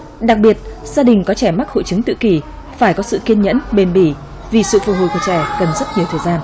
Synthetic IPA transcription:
ɗa˨˩k̚ɓi˨˩ət̚z̥aː˧ɗï˨˩ŋ̟kɔ˨˦t͡ɕɛ˧˩ma˦˥k̚ho̰˧˨jt͡ɕɨ˨˦ŋt̪ɨ̰˧˨ki˧˩ | faː˧˩jkɔ˨˦sɨ̰˧˨ki˧ənɲə̰˧˥nɓe˨˩nɓi˧˩ | vi˨˩sɨ̰˧˨fu˨˩hṵ˨˧˨ku˧˩t͡ɕɛ˧˩kə˨˩nzə˦˥t̚ɲi˨˩əwt̪ʰəː˨˩jzaː˧n

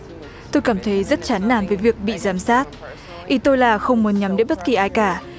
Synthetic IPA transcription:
t̪o˧jkaː˧˩mt̪ʰə˨˦jzə˦˥t̚t͡ɕaː˨˦nna̰ː˧˨nvəː˨˦jvi˨˩ək̚ɓḭ˧˨zaː˨˦msaː˦˥t̚ | ʔi˨˩˦t̪o˧jlaː˨˩xə˧wŋ͡mmu˨˦ə˦nɲa˨˦mɗe˧˦jɓə˦˥t̚ki˨˩ʔaː˧jkaː˧˩

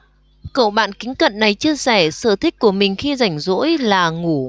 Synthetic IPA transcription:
kə̰˧˨wɓa̰ː˧˨nkï˨˦ŋ̟kə̰˧˨nːa˨˩jt͡ɕi˧əsɛ˧˩səː˧˩t̪ʰï˦˥k̟̚ku˧˩əmï˨˩ŋ̟xi˧za˧˩jŋ̟zo̰˧˥jlaː˨˩ŋu˧˩

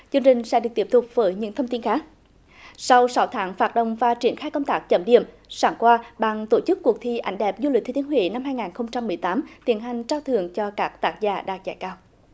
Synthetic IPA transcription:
t͡ɕɨ˧ŋt͡ɕï˨˩ŋ̟sɛ̰˧˥ɗɨ˨˩ət̪i˦˥p̚t̪ʰʊ˨˩k͡p̚vəː˨˦jɲɨ̰˧˥ŋt̪ʰə˧ŋ͡mt̪i˧nxaː˦˥k̚ | sa˧wsa˨˦wt̪ʰaː˨˦ŋfaː˨˧˩t̚ɗə̰˧˨wŋ͡mvaː˨˩t͡ɕi˧˩ənxaː˧jkə˧wŋ͡mt̪aː˦˥k̚t͡ɕə˧˩mɗḭ˧˨əm | saː˧˩ŋkwaː˧ɓaː˧˨˩ŋt̪o˧˩t͡ɕɨ˦˥kːu˨˩ək̚t̪ʰi˧ʔa̰˨˩jŋ̟ɗɛ˨˩p̚zu˧li˨˩t̪ʰːt̪i˨˦nhwḭ˧˨na˧mɦaː˧jŋaː˨˩nxə˧wŋ͡mt͡ɕa˧mːɨ˨˩əjt̪aː˨˦mt̪i˧˩˦ənɦa˨˩jŋ̟t͡ɕaː˧wt̪ʰɨ˧˨əŋt͡ɕɔ˧kaː˦˥k̚t̪aː˦˥k̚zaː˧˩ɗa̰ː˨˩k̚za̰ː˧˩jkaː˧w

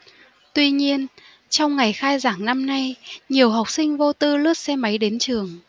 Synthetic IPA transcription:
t̪wi˧ɲi˧ən | t͡ɕɔ˧wŋ͡mŋa˨˩jxaː˧jzaː˧˩ŋna˧mna˧jɲi˨˩əwɦa˨˩wk͡p̚sï˧ŋ̟vo˧t̪ɨ˧lɨ˦˥ət̚sɛ˧mə˨˦jɗe˨˦nt͡ɕɨ˨˩əŋ

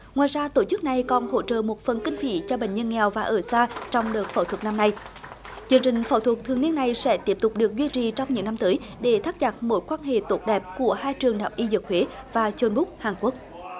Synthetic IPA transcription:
ŋwaː˨jzaː˧t̪o˧˩t͡ɕɨ˦˥k̚na˨˩jkɔ˨˩nho̰˧˥t͡ɕə̰ː˧˨mo˨˩t̚fə˨˩nkï˧ŋ̟fḭ˧˩t͡ɕɔ˧ɓḛ˧˨ŋ̟ɲə˧nŋɛ˨˩wvaː˨˩ʔəː˧˩saː˧t͡ɕɔ˧wŋ͡mɗəː˨˩t̚fə̰ː˧˩wt̪ʰwə˨˩k̚na˧mna˧j | t͡ɕɨ˧əŋt͡ɕï˨˩ŋ̟fə̰˧˩wt̪ʰwə˨˩k̚t̪ʰɨ˨əŋni˧ənːa˨˩jsɛ̰˧˥t̪i˦˥əp̚t̪ʊ˨˩k͡p̚ɗɨ˨˩ək̚zwi˧t͡ɕi˨t͡ɕɔ˧wŋ͡mɲɨ̰˧˥ŋna˧mt̪əː˨˦jɗe˧˩t̪ʰaː˦˥t̚t͡ɕa˨˩t̚mo̰˧˥jkwaː˧nɦḛ˧˨t̪o˨˦˥t̚ɗɛ˨˩p̚ku˧˩əhaː˧jt͡ɕɨ˨˩əŋɗaː˨˩p̚ʔi˧zɨ˨˩k̚hwe˨˦vaː˨˩t͡ɕo˧nɓʊ˦˥k̚haː˨˩ŋku˦˥ək̚

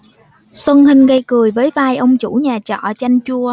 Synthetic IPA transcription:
swə˧nhï˧ŋ̟ɣə˧jkɨ˨˩əjvəː˨˦jvaː˧jʔə˧wŋ͡mt͡ɕu˧˩˥ɲaː˨˩t͡ɕɔ̰˧˨t͡ɕa˧jŋ̟t͡ɕu˧ə

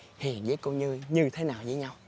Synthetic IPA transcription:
hḭ˧˨ənzəː˨˦jko˧ɲɨ˧ɲɨ˧t̪ʰe˨˦naː˨˩wzəː˨˦jɲa˧w

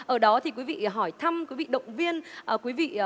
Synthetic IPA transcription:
ʔəː˧˩ɗɔ˨˦t̪ʰi˨˩kwi˨˦vḭ˧˨ɦɔ˧˩jt̪ʰa˧mkwi˨˦vḭ˧˨ɗə̰˧˨wŋ͡mvi˧ənʔːkwi˨˦vḭ˧˨

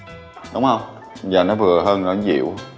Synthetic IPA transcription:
ɗʊ˨˦wŋ͡mhə˧wŋ͡m | vaː˨˩nɔ˨˦vɨ˨˩əɦəː˧nnɔ˨˩˦zḭ˧˨əw

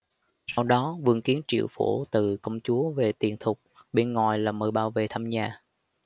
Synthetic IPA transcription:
sa˧wɗɔ˨˦vɨ˧əŋki˨˦ənt͡ɕḭ˧˨əwfṵ˧˩t̪ɨ˨˩kə˧wŋ͡mt͡ɕu˨˦əve˨˩t̪i˨˩ənt̪ʰʊ˨˩k͡p̚ɓe˧nŋɔ˨˩jlaː˨˩məː˨˩jɓaː˧˩wvḛ˨˩t̪ʰaː˧mɲaː˨˩

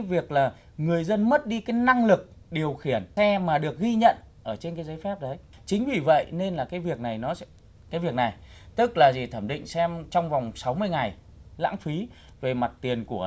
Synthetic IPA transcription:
vi˨˩ək̚laː˨˩ | ŋɨ˨˩əjzə˧nmə˦˥t̚ɗi˧kaː˨˦na˧ŋlɨ˨˩k̚ | ɗi˨˩əwxi˧˩ənsɛ˧maː˨˩ɗɨ˨˩ək̚ɣi˧ɲə̰˧˨n | ʔəː˧˩t͡ɕe˧nkaː˨˦jzə˨˦jfɛ˦˥p̚ɗə˨˦j | t͡ɕï˨˦ŋ̟vi˨˩və̰˧˨jne˧nlaː˨˩kaː˨˦jvi˨˩ək̚na˨˩jnɔ˨˦˧ | kaː˨˦jvi˨˩ək̚na˨˩j | t̪ɨ˦˥k̚laː˨˩zi˨˩t̪ʰəː˧˩mɗḭ̈˧˨ŋ̟sɛ˧mt͡ɕɔ˧wŋ͡mva˨˩wŋ͡msa˨˦wmɨ˧əjŋa˨˩j | la̰ː˧˥ŋfi˨˦ | ve˨˩ma˨˩t̚t̪i˨˩ənku˧˩ə

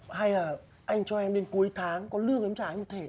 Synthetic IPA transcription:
ha˧jlaː˨˩ | ʔa˧jŋ̟t͡ɕɔ˧ʔɛ˧mɗe˨˦nku˨˦əjt̪ʰaː˨˦ŋkɔ˨˦lɨ˧əŋʔə˨˧˦mt͡ɕaː˧˩˨ŋmo˨˩t̪ʰe˧˩

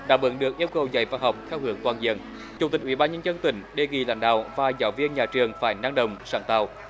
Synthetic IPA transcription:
ɗa̰ː˧˥ɓɨ̰˨˦nɗɨ˨˩ək̚ʔi˧əwkə˨˩wza̰˧˩˦jvaː˧˩nɦa˨˩wk͡p̚t̪ʰɛ˧whɨ˧˦əŋt̪waː˨˩nzḭ˧˨ən | t͡ɕu˧˩ŋ͡mt̪i˨˩k̟̚ʔi˧˦˥ɓaː˧nɲə˧nzə˧nt̪ï˧˩˦ŋ̟ɗe˨˩ŋḭ˧˨˩la̰ː˧˦nɗa̰ː˧˨wvaː˨˩zaː˨˦wvi˧ənɲaː˨˩t͡ɕɨ˨˩əŋfaː˧˩jnaː˧ŋɗə˨˩wŋ͡msaː˧˩ŋt̪a̰ː˧˨˩w

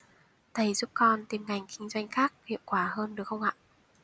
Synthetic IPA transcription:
t̪ʰə˧˩˦jzu˦˥p̚kɔ˧nt̪i˨˩mŋa˨˩jŋ̟kï˧ŋ̟zwa˧jŋ̟xaː˦˥k̚hḭ˧˨əwkwaː˧˩həː˧nɗɨ˨˩əkxə˧wŋ͡mʔa̰ː˧˨ʔ

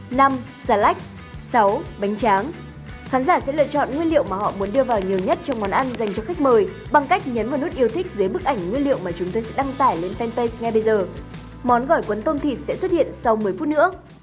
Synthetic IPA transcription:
na˧m | saː˧˩la˦˥jk̚ | sa˨˦wɓa˨˦jŋ̟t͡ɕaː˨˦ŋ | xaː˨˦nzaː˧˩sɛ̰˧˥lɨ̰˧˨ət͡ɕɔ̰˧˨nŋwi˧ənlḭ˧˨əwmaː˨˩hɔ̰˧˨mu˨˦ənɗɨ˧əvaː˨˩wɲi˨˩əwɲə˦˥t̚t͡ɕɔ˧wŋ͡mɔ˨˦nʔa˧nza˨˩jŋ̟t͡ɕɔ˧xa˦˥jk̚məː˨˩j | ɓa˧ŋka˦˥jk̚ɲə˨˦nvaː˨˩wnu˦˥t̚ʔi˧əwt̪ʰï˦˥k̟̚zəː˨˦jɓɨ˦˥k̚ʔa˧˩jŋ̟ŋwi˧nlḭ˧˨ə˨wmaː˨˩t͡ɕʊ˨˦ŋ͡mt̪oː˧jsɛ̰˧˥ɗa˧ŋt̪aː˧˩jle˧nfɛ˧nt̪ə˧jsŋɛ˧ɓə˧jzəː˨˩ | mɔ˨˦nɣɔ˧˩jkwə˨˦nt̪o˧mt̪ʰi˨˩t̚sɛ̰˧˥swə˦˥t̚hḭ˧˨ənsa˧wmɨ˨˩əjfu˦˥t̚nɨ̰˧˥ə

